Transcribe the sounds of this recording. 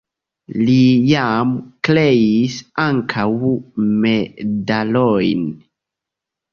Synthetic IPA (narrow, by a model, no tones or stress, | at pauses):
lijamklejisaŋkʰawmedalojn